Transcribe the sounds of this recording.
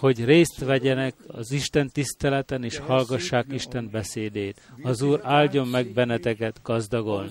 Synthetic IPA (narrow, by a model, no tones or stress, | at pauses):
ho̞ɟreːst̪ʋɛɟɛnɛkɒ̰ziʃt̪ɛnt̪ist̪ɛlɛt̪ɛneːʃhɒlɡɒʃːaːkiʃt̪ɛnbɛseːd̪eːt̪ɒzuːɾaːlɟo̞mːɛɡbɛnːɛt̪ɛkɛt̪ɡɒzd̪ɒɡo̞lni